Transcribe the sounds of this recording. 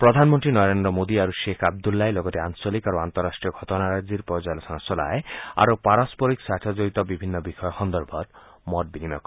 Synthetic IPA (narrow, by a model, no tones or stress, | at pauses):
pɾɔd̪ʱanmɔnt̪ɾinɔɾend̪ɾɔmod̪iaɾuʃekʰab̚d̪ulːaelɔɡɔt̪eaŋsɔlikaɾoant̪ɔɾːasʈɾiɔɡʱɔt̪ɔnaɾajd͡ʒiɾpɾɔjɔd͡ʒaelɔsɔŋɔsɔla̰ea̰ɾopaɾaspɔɾiksaʈ̪ʰɔd͡ʒoit̪ɔbibʱinːɔbixɔjɔxɔnd̪ɔɾbʱɔɾmɔʈ̚binimakɔ